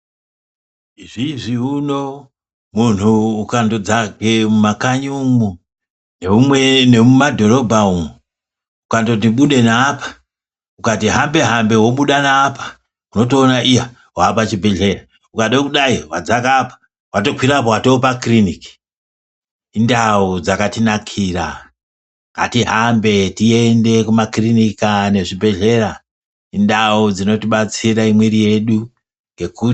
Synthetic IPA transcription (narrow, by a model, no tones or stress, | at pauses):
ʐiʐiuno̞ | mun̤uːkando̞d͡zaɡemumakaɲumu | neumwenemumadʱo̞ɾo̞bʱaumu | ukando̞t̬iɓuɗe̞naːpḁ | ukatiɦambe̞ɦambe̞wo̞ɓuɗanaːpḁ | uno̞t̬o̞ːnaʔija | wapat͡ʃibʱe̞ɮe̞ra | ukaɗokuɗaiwad͡zakapḁ | wato̞kwiɾap̬awato̞pakriniki̥ | indaud͡zakatinakʰiːra | atiɦambe̞tiende̞kumakrinikane̞ʐibʱe̞ɮe̞ɾa | indaud͡zino̞tiɓat͡siɾaimweɾije̞ɗu | ŋɡe̞ku